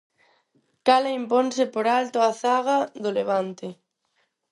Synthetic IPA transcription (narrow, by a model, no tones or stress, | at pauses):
kalaimponsɪpoɾalt̪oaθaɣaðʊleβ̞ant̪ɪ